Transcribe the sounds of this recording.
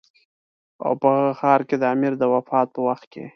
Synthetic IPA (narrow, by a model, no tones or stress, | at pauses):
a̰wpəɣaɣəxɑɾked̪əamiɾd̪əwafɑt̪̚pəwaxt̪̚kḛ